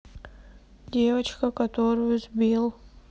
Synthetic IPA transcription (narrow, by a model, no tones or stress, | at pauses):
dʲevɐt͡ʃkɐkɐt̪oɾʊjuzbʲilˠ